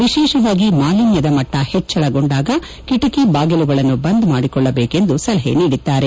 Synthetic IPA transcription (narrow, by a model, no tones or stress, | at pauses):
ʋiʃɛːʃɐʋaːɡimaːlinjɐd̪ɐmɐʈːɐhet͡ʃːɐɭɐɡoɳɖaːɡɐ | kiʈɐkibaːɡɐluɡɐɭɐnːubɐnd̪maːɽikɔɭːɐbeːke̞nd̪usɐlɐɦe̞̰niːɽit̪ːaːɾe̞